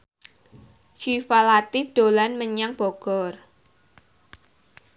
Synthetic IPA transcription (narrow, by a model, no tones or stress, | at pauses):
t͡ʃifalat̪ɪd̪̥olanməɲaŋb̥ɔɡ̥ɔr